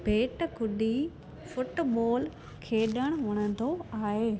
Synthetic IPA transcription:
bʱeːʈkʊɗi | fʊʈɓoːl | kʰeːɗəɽ̃ʋʊɽ̃ə̃t̪oaːɦeː

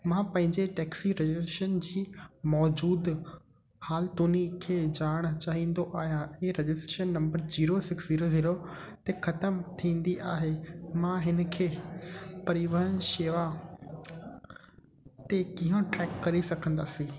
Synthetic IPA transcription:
mãpɐ̃ɦɪ̃ɲd͡ʑeʈɛːksiɾed͡ʑɪsʈɾeːʃənd͡ʑiːmɔːd͡ʑuːd̪ | haːlt̪uːnikʰeːd͡ʑaːɽ̃t͡ɕaːɦĩːnd̪oʔaːɦijãẽːɾed͡ʑɪsʈɾeːʃənːɐ̃mbəɾd͡ʑiːɾosɪksziːɾoziːɾo | t̪exɐt̪əmt̪ʰĩːn̆d̪iʔaːɦemãɦɪn̆kʰeːpɐɾiʋəɦənʃeːʋa | t̪ekĩɦə̃ʈɾɛːkːɐɾisɐkʰə̃nd̪aːsĩː

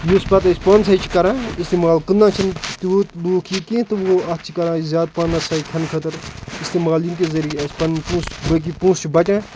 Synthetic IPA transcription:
juspɐt̪ɐsʲpɐːns̬aːit͡ʃʰi̥kɐɾãːist̪eːmaːlkɨnːãːt͡ʃʰɐnt̪ut̪boːkʰiːkẽt̪ɨoɐtt͡ʃʰikɐɾãːzʲaːd̪̚paːnɐsaːikʲʰɐnkʰət̪ɐɾist̪eːmaːljink̬ezɐɾijeɐsʲpɐnpũːsbək̬ipũːst͡ʃʰibɐt͡ʃʲãː

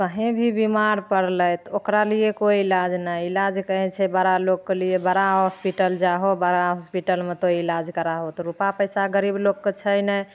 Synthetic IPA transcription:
kəɦẽbʱibimaɾpəɾləjt̪okɾaliekoiilad͡ʒnəjilad͡ʒkəɦɛ̃t͡ʃʰɛbəɾalokkelijebəɾaɦɔspiʈəld͡ʒaɦobəɾaɦɔspiʈəlmet̪oilad͡ʒkəɾaɦot̪ɔɾupapəjsaɡəɾiblokːet͡ʃʰəjnəj

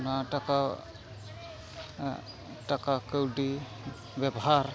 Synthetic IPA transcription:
nataka | takakəwdi | bɛbɔɦaɾ

